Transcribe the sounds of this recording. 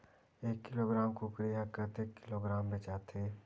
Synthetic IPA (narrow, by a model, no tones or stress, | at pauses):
eːkːɪloːɡɾaːmkokɾɪjakət̪eːkːɪloːɡɾaːmbet͡ʃaːt̪ʰeː